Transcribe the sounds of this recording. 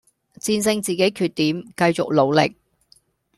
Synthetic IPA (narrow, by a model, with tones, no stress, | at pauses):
t͡siː˧nsɪ˧ŋt͡siː˨ke˨˥jkʰyː˨t̪̚iː˨˥mkɐ˧jt͡sʊ̰˨k̚lo˨˧wlɪ̰˨k̚